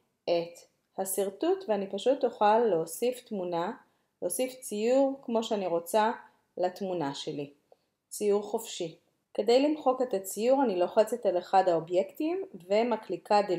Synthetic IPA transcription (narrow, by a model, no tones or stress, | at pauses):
ʔet̪ | hasiʁtutveanipaʃut̪ːoχalːeosiftmuna | leosift͡sijuʁkmo̞ʃeaniʁo̞t͡sa | latmunaʃe̞li | t͡sijuʁχofʃi | ke̞d̪e̞jlimχo̞ke̞tat͡sijuʁanilo̞χet͡set̪aleχadhao̞bje̞ktimvemaklikad̪e